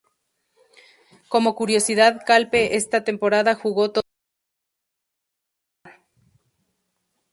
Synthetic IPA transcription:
ko̞mo̞kuɾjo̞siðaðkalpe̞ʔest̪at̪e̞mpo̞ɾaðaxuɣo̞t̪o

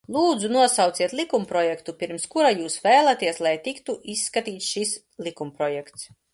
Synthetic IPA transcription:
lˠuːd̪zunuɔsawt̪siɛt̪lʲˠikumpɾɔjɛkt̪upʲiɾmskuɾajuːsvæːlˠat̪iɛslˠajt̪ikt̪uʔisːkat̪iːt̪sʃis | lʲˠikumpɾɔjɛkt̪s

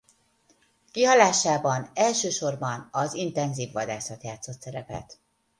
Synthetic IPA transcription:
kiɦɒlaːʃaːbɒnɛlʃøːʃo̞rbɒnɒzint̪ɛnziːvːɒd̪aːsɒt̪jaːt̪so̞t̪sɛɾɛpɛ̰t̪

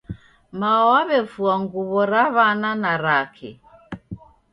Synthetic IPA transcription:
maɔaβɛfuaŋɡuβɔɾaβananaɾakʰɛ̰

